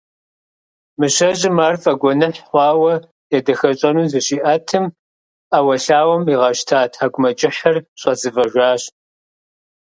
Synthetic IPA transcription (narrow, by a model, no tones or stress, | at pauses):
mɨɕɐʑʼɪmaːrfʼɐɡʷɔnɨħʷɑːwɐ | jɛdɐxɐɕʼɐnuzɨɕiːʔɐtʰɨm | awɐɬaːwɐmiʁɐʃtʰaːtʰaːɡʷʊmɐd͡ʒʼɪħɐrɕʷʼɐzɨvɐʒʷaːɕ